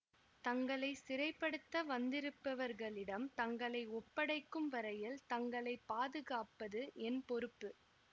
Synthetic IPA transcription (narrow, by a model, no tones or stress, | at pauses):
t̪ɐŋɡɐɭɐɪsɪɾɐɪpːɐɽɯt̪ːɐʋɐnd̪ɪɾɯpːɐʋɐɾɣɐɭɪɽɐmt̪ɐŋɡɐɭɐɪɔpːɐɽɐɪkːɯmʋɐɾɐjɪlt̪ɐŋɡɐɭɐɪpːaːðɯɣaːpːɐðɯʔɛnpɔɾɯpːɯ